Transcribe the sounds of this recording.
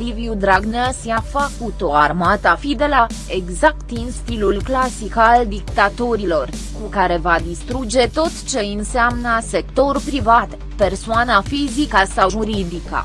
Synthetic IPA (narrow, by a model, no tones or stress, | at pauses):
liviud̪ɾaɡnasiafəkut̪o̞armat̪afid̪e̞la | e̞ɡzak̚t̪inst̪ilulklasikald̪ikt̪at̪o̞ɾilo̞r | kukaɾe̞vad̪ist̪ɾud͡ʒe̞t̪o̞t̪t͡ʃe̞ɨnseamnəse̞k̚t̪o̞ɾupɾivat̪ | pe̞rsoanafizikəsawʒuɾid̪ikə̰